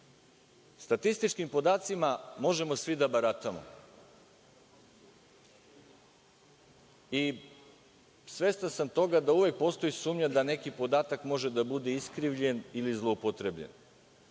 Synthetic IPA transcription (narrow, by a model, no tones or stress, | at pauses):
st̪at̪ist̪it͡ʃkimpo̞d̪aːt̪simamo̞ʒe̞mo̞sʋid̪abaɾat̪amo̰ | i | sʋe̞st̪ansamt̪o̞ɡad̪auʋe̞k̚po̞ːst̪o̞jisuːmɲad̪ane̞kipo̞d̪aːt̪akmo̞ʒe̞d̪abud̪e̞iskɾiʋʎe̞nilizlˠoupot̪ɾebʎḛn